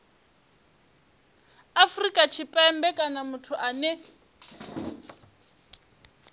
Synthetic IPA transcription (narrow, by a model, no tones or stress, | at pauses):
afrikʼat͡ʃʰipʼɛɛmbɛkʼanamutʰuʔanɛ